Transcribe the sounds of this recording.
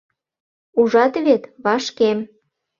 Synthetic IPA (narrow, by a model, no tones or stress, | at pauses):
uʒɑt̪βet̪βɑʃkem